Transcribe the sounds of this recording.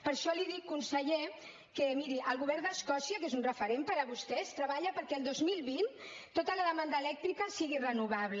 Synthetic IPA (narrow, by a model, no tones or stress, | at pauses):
pəɾʃɔliðikːunsəʎe | kəmiɾiʔəlˠɣuβ̞ɛɾd̪əskɔsiək̬ezunrəfəɾempəɾəβust̪ɛst̪ɾəβaʎəpəɾkɛːlˠd̪ozmilˠβint̪ːot̪ələðəmand̪əːlɛk̚t̪ɾikəsiɣirənuβ̞aβlə